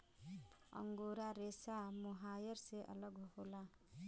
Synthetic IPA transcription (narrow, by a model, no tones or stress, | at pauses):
ʌ̰ŋɡoɾaɾesamuɦajʌɾseʔʌ̰lʌɡɦola